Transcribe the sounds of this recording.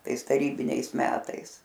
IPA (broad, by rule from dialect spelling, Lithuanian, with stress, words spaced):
ˈtɐɪs tɐˈrʲiːbʲɪnʲɛɪs ˈmʲæːtɐɪs